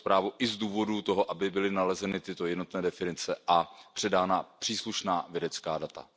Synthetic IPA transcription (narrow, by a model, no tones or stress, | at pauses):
spɾaːvuʔɪzduːvo̞dut̪o̞ɦoʔabɪbɪlɪnalɛzɛnɪt̪ɪt̪o̞jɛdno̞t̪nɛːdɛfɪnɪt͡sɛʔapr̝̥ɛdaːnapr̥iːsluʃnaːvjɛdɛt͡skaːdat̪a̰